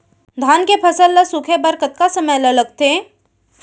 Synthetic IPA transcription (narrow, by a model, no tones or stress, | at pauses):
d̪ʱaːnkepʰɐsəlːɐsukʰebɐɾkət̪̚kasəməjlɐləɡ̚t̪e